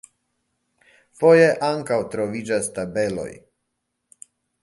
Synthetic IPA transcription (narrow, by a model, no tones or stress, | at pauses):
fojeʔaŋkawt̪ɾovid͡ʒast̪abelo̰j